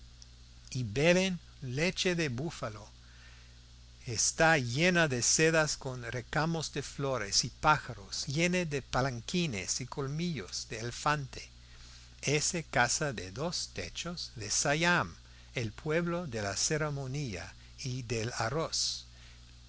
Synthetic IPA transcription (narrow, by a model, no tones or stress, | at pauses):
ibeβen | let͡ʃeðeβufalo | est̪ajenaðeseðaskonrekamozðefloɾesipaxaɾosjeneðepalaŋkinḛsikolmiʎoz̥ðeːlefant̪e | esekasaðeðost̪ḛt͡ʃoz̥ðesajam | elpʰweβloðelaseɾemonia̰ | iðela̰ros